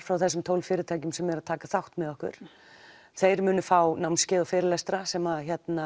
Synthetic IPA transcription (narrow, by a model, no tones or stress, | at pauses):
fɾawθɛsʏmt̪ʰoːwlfɪːɾɪɾt̪ʰaːjcʏmsɛmɛɾaðt̪ʰaːkaθawht̪mɛðɔhkʏ̰ɾ̥ | θejɾmʏːnʏfawnawmnscɪːðɔfɪːɾɪlajst̪ɾasɛmaçɛt̪na